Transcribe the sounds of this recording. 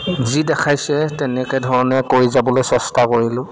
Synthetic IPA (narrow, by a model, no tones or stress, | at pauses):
zidɛkʰajsɛtɛnɛkɛdʱɔɹɔnɛkoɹizabɔlojsɛstakoɹilʊ̃